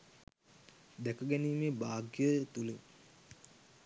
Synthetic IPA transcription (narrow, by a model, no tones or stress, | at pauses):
d̪ækəɡæniːmeːbaːɡjət̪ule